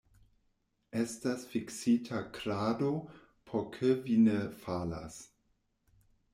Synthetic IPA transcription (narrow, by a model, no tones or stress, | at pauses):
estasfiksitʰakɾaːdo | pʰokʰevinefala̰s